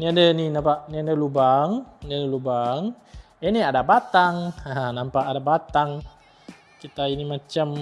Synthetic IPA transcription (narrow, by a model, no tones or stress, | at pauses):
niadəninampaʔniadəlubaŋniadəlubaŋ | eniadabat̪aŋanampaʔadabat̪aŋ | kit̪ainimat͡ʃam